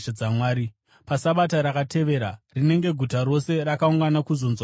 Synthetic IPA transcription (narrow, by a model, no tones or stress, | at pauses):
d͡zamwaːɾi | pasaɓataɾakate̞ʋe̞ːɾarine̞ŋɡe̞ɡʱutaɾo̞se̞ɾakauŋɡanakuzonzwa